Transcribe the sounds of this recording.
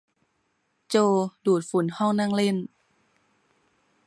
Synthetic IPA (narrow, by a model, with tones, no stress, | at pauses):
t͡ɕoː˧duː˨˩t̪̚fu˩˦nhɔ˥˩ŋna˥˩ŋle˥˩n